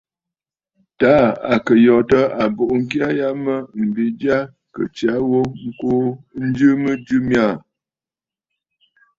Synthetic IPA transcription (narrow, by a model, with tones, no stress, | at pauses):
ta˨˦a˨kə˨jɔ˨tə˦a˨bo˨ʔŋ̩˦k̬ja˦ja˦mə˦m̩˨bi˨˦d͡ʒa˦ | kə̰˨t͡ʃja˨˦wo˦ŋ̩˦ko˦n̩˦d͡ʒɨ˦mə˦d͡ʒɨ˦mja˦˨